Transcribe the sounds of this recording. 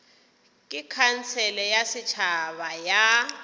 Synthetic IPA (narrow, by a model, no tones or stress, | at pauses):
kʼɪkʰan̩t͡sʰɛlɛjasɪt͡ʃʰaβaja